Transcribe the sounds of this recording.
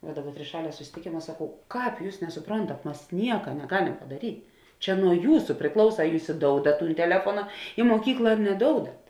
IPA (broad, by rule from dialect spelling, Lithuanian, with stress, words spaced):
ʋɐ ˈdɑːˌbɐr tʲrʲɪˈʃɑːlʲiɛ sʊsʲɪtʲɪˈkʲeːmɐ sɐˈkɐʊ ˈkɑːp ˈjuːs nʲɛsʊˈproːntɐt ˈmɐs ˈnʲiɛkɐ nʲɛˈɡɑːlʲɛm pɐdɐˈrʲiːtʲ ˈt͡ʃʲɛ nuɔ ˈjuːsʊ pʲrʲɪˈklˠɐʊsɐ ɐ ˈjuːs ɪˈdoːʊdɐt ˈtuːn tʲɛˈlʲæːfuɔnɐ ɪ muɔˈkʲiːklˠɐ ɐr nʲɛˈdoːʊdɐt